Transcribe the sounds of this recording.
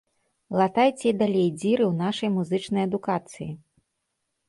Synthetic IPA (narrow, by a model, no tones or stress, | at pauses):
lˠat̪ajt͡sʲɛid̪alʲejd͡zʲiɾɨwn̪aʂɐjmuzɨt͡ʂnɐjɐd̪ukat̪sɨji